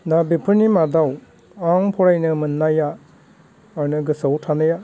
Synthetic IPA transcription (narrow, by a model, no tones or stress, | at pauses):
nabipʰɯnimadaw | aŋpʰɔɽajnɯmɯnːaja | ɔjnɯɡɯsawtʰanɯja